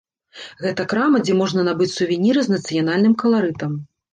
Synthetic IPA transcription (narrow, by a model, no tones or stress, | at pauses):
ɣɛt̪ɐkɾamɐd͡zʲɛmɔʐnɐnabɨt͡sʲsuvʲinʲiɾɨznɐt̪sɨjanalʲnɨmkɐlˠaɾɨt̪ɐm